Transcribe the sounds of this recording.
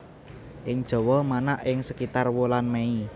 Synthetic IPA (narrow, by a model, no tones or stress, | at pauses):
ʔɪŋd̥ʒ̥ɔ̤wɔmanaʔɪŋsəkit̪arwolanmei